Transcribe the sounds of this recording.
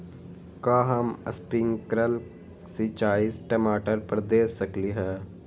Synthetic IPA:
kaːɦɐmə̰spɪŋkɾəl | sit͡ʃaːisʈəmaːʈəɾpəɾd̪eːsːɐkliɦɛː

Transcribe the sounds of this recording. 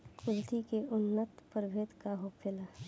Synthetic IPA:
kʊɾt̪ikeʔʊnːət̪pəɾbʱeːt̪kaɦopʰɪla

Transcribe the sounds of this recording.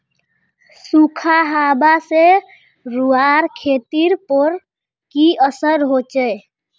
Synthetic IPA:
sukʰaɦabase | ɾuaɾkʰet̪iɾpəɾ | kiəsəɾɦot͡ʃɛj

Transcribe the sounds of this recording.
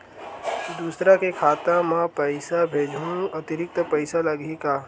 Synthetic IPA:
d̪uːsɾakekʰaːt̪ãmãpɐɪsabʱeːd͡ʒʱũɐt̪ɪɾɪk̚t̪əpɐɪsalɐɡekaː

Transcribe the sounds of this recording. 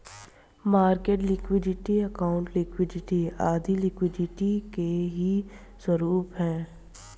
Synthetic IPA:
maːɾkeːʈlɪkwɪɖɪʈiɐkaːʊ̃ɳʈlɪkwɪɖɪʈiaːd̪ʱilɪkwɪɖɪʈikeɦiswɐɾuːpɦɛ̃ː

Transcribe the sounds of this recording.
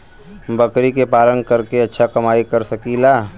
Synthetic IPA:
bɐkɾikepaːlə̃nkɐɾkeɐtːʃʰakɐmaːikɐɾsɐkilaː

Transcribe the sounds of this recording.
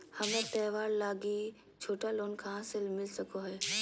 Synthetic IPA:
hɐmə̃t̪ɛːʋaːɾlaːɡi | t͡ʃʰoːʈaloːnkʰãːsɪlmɪlsəkoɦɛː

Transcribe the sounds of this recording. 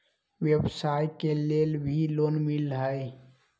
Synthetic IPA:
ʋjebsaːjkeleːlbʱiloːnmɪlɦəj

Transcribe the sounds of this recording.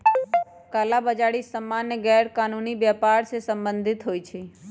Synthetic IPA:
kalabəd͡ʒaɽisəmːanːeɡɛɾkanuniʋjapaɾʃesəmbənd̪ʱit̪ɦojt͡ʃʰe

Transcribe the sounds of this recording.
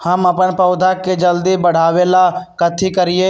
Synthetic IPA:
həməpənpəʊd̪ʱaked͡ʒəld̪ibəɽ̤aːʋelakət̪ʰikəɾɪe

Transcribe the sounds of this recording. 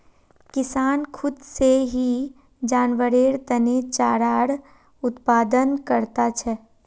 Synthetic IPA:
kɪsaːnkʰʊd̪seɦi | d͡ʒaːnʋəɾeːɾt̪ɐnet͡ʃaːɾaːɽ | ʊt̪paːd̪ənkəɾt̪at͡ʃʰɛ

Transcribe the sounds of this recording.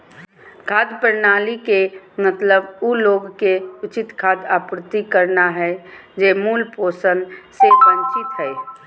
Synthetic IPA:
kʰaːd̪pəɾnaːlikemət̪ləbuloːɡkeʊt͡ʃɪt̪kʰaːd̪aːpɾɪt̪ikəɾnaɦɛd͡ʒemuːlpoːsənsesə̃ɲt͡ʃɪt̪ɦɛe

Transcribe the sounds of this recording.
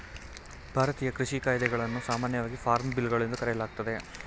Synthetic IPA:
bʱaːɾɐt̪iːjɐkɾiʃikaːjd̪ɛɡɐɭɐnːusaːmaːnjɐʋaːɡifʰaːɾmbilɡɐɭend̪ukɐɾɛjɐlaːɡ̚t̪ɐd̪e̞

